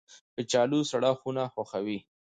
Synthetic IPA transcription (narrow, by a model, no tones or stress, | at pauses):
pət͡ʃɑlusaɽaxunaxwaxawi